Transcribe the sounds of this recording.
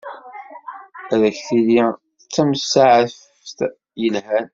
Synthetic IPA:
æðæçθili | ət͡sːæmsaʕəf | θ | jəlhæn

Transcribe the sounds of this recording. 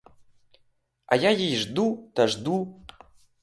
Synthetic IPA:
a̰jajejʐd̪ut̪ʰaʐd̪u

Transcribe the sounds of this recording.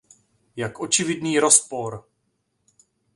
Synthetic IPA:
jakʔo̞t͡ʃɪvɪdniːɾo̞spo̞ɾ

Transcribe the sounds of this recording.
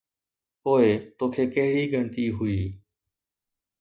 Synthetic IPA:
poːet̪oːkʰeːkəɦɪɽiːɡʱəɳt̪iːɦʊiː

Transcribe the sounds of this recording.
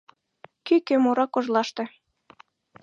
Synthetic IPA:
kykømoɾɑkoʒlɑʃt̪ĕ

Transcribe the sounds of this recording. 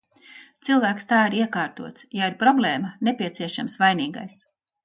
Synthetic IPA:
t̪silˠvæːkst̪aɑːiɾiɛkɑːɾt̪uɔt̪sjaiɾpɾɔblʲeːmɐnepʲiɛt̪siɛʃamsvajniːɡa̰js

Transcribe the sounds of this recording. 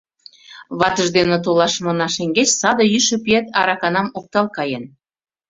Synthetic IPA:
βɑt̪ə̆ʒd̪enĕt̪̬olɑʃmɤ̆nɑʃeŋɡet͡ɕsɑd̪ɤ̆jyʃəpiet̪ɑɾɑkɑnɑmok̚t̪ɑlkɑjen

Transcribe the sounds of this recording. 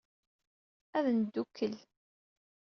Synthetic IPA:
æðnəd̪ːukʰːəl

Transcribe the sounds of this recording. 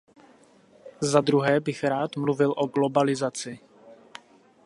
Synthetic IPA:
zad̪ɾuɦɛːbɪxɾaːt̪mluvɪlʔo̞ɡlo̞balɪzat͡sɪ

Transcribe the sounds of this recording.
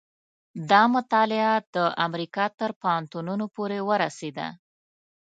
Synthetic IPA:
d̪ɑmʊt̪ɑlɪad̪̥əʔamɾikɑt̪əɾpaant̪ununopoɾewəɾased̪a̰

